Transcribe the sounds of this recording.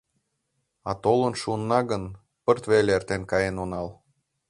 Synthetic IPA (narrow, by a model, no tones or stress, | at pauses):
ɑ̰t̪olənʃunːɑɣən | pərt̪βeleert̪enkɑjenonɑl